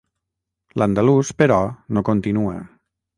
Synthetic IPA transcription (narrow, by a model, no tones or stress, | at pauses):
land̪aluspəɾɔnokont̪inuə̰